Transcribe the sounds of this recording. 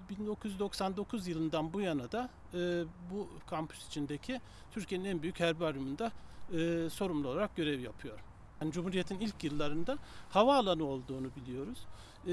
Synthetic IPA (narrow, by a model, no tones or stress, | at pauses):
bind̪o̞kʰujyzd̪o̞ksand̪o̞kʰuzjɯlˠɯnd̪anbujanad̪a | ɯːbukʰampʰy̥si̥t͡ʃʰind̪ecʰi | t̪ʰyɾcʰieninænbyjychæɾbiaɾjumund̪aɯso̞ɾumlˠuolˠaɾak̚ɟø̞ɾɛvjapʰɯjo̞ɾ | hanid͡ʒumhuɾije̞t̪ʰinilʲcʰjɯlˠːaɾɯnd̪ahavaːlˠanɯo̞lˠd̪uːnubilʲijo̞ɾuz̥